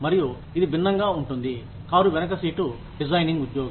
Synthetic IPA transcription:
mɐɾiju | id̪ibʱinːɐŋɡaːuɳʈund̪i | kaːɾuʋɛnɐkɐsiːʈu | ɖid͡ʒɐjniŋɡud̪joːɡ

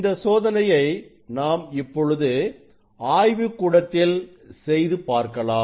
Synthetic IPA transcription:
nd̪ɐsoːðɐnɐjɐɪ | naːmɪpːɔɻɯðɯ | aːjʋɯkːuːɽɐt̪ːɪl | sɛjðɯpaːɾkɐlaːm

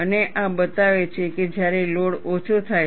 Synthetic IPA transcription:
əneʔabət̪aʋet͡ʃʰeked͡ʒjaɾeloɽot͡ʃʰot̪ʰaj

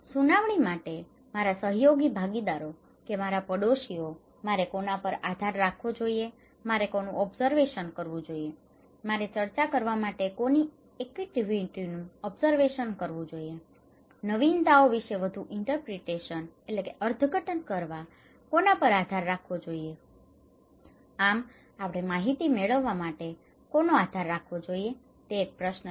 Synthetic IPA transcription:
sunaʋɳimaʈe | maɾasəɦjoɡibʱaɡid̪aɾo | kemaɾapəɽoʃio | maɾekonapəɾad̪ʱaɾːakʰʋod͡ʒoie | maɾekonũʔɔbzəɾʋeʃənkəɾʋũd͡ʒoie | maɾet͡ʃəɾt͡ʃakəɾʋamaʈekoni | ekʋiʈiʋiʈinũɔbzəɾʋeʃənkəɾʋũd͡ʒoie | nəʋint̪aoʋiʃeʋəd̪ʱuʔɪɳʈəɾpɾeʈeʃənelekeʔəɾd̪ʱɡʱəʈənkəɾʋa | konapəɾad̪ʱaɾːakʰʋod͡ʒoie | am | apɽ̃emaɦit̪imeɭəʋːamaʈe | konoad̪ʱaɾːakʰʋod͡ʒoie | t̪eːk̚pɾəʃnə

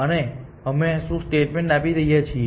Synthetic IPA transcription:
əne | əmeʃũsʈeʈmẽɳʈapiɾəɦijat͡ʃʰi

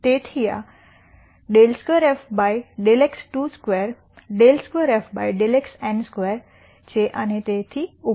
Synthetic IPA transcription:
t̪et̪ʰija̰ | ɖelskʋeɾefbajɖeleksʈuskʋɛɾ | ɖelskʋeɾefbajɖeleksɛ̃nskʋɛɾ | t͡ɕeʔañit̪et̪ʰiːu

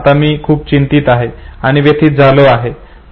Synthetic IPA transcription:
t̪amiːkʰuːp̚t͡ɕint̪iːt̪aɦeaɽ̃iʋjet̪ʰiːt̪̚d͡zʱaloaɦe

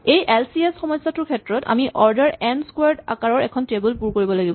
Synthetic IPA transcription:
ejʔɛlsiesxɔmɔjsːatʊɹkʰɛtɹɔta̰miʔɔɹdaɹɛnskwaɹda̰kaɹɔɹɛkʰɔntebulpuɹkoɹibɔlaɡibɔ

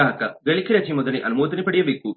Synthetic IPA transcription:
aːɐkɐɡeɭikiɾɐt͡ʃʰimɔd̪ɐniʔɐnumoːt̪ɐnipɐɽijɐʋikːu

